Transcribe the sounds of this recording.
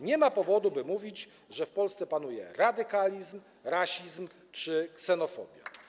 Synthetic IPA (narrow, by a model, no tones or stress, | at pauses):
ɲɛmapɔvɔd̪ubɘmuvʲid͡ʑ | ʐɛfpɔlst̪sɛpanujɛ̰ɾad̪ɘkalʲizm | ɾaɕizm | t͡ʂɘksɛnɔfɔ̰bʲja̰